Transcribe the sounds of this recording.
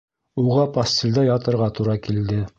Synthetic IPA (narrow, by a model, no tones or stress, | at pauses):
uʁɑpɐsʲt̪ʲɪlʲd̪ɑjɑt̪ɤ̆ɾʁɑt̪uɾɑkild̪ɘ